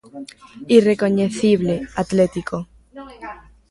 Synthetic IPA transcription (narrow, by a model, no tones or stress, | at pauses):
ire̞ko̞ɲeθiβleat̪let̪iko